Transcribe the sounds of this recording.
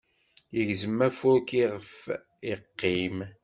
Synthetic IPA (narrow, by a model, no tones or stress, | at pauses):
jəʝzəmːæfʊɾkiʁəf | iqːim